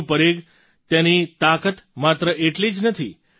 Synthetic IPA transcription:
pəɾeɡ | t̪enit̪akət̪mat̪ɾəʔeʈlid͡ʒnət̪ʰi

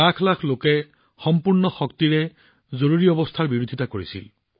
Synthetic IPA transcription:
akʰlakʰlokɛ | xɔmpuɹnɔxɔkt̪iɹɛ | zoɹuɹiɔbɔst̪ʰaɹbiɹod̪ʱitakoɹisḭl

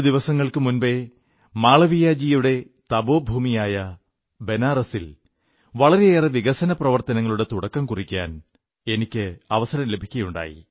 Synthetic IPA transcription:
d̪iʋɐsɐŋːɐɭkɨmunbe̞ | maːɭɐʋijaːd͡ʑijuɽe̞ | t̪ɐbo̞ːbʱuːmijaːjɐ | be̞naːrɐsil | ʋɐɭɐɾeeːreʋiɣɐsɐnɐprɐʋɐrt̪ɐnɐŋːɐɭuɽe̞t̪uɽɐkːɐmkurikʲːa̰ːn | e̞nikʲːɨɐʋɐsɐɾɐmle̞bʱikʲːɐjuɳɖa̰ːjḭ

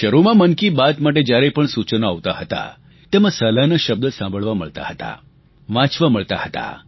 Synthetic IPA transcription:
ʃəɾumãmənkibat̪maʈ̬ed͡ʒjaɾepəɳsut͡ʃnoaʋt̪aɦət̪a̰ | t̪emãsəlanaʃəb̚d̪əsãmbʱəɭʋaməɭt̪a̰ɦət̪a̰ | ʋãt͡ʃʋaməɭt̪a̰hət̪a̰

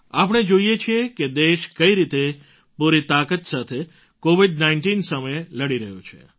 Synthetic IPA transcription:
ap̬əɽ̃ed͡ʒoijet͡ʃʰieked̪eʃkəiɾit̪e | puɾit̪akət̪sat̪ʰe | koʋiɖnaɪɳʈinsəməjeləɽiɾəɦjṵ̃t͡ʃʰḛ

